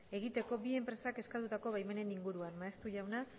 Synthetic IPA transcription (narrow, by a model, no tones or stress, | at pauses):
e̞ɣ̞it̪e̞ko̞bie̞mpɾe̞sake̞skat̪ut̪ako̞βajme̞ne̞niŋɡuɾuaɾmaest̪uʝawna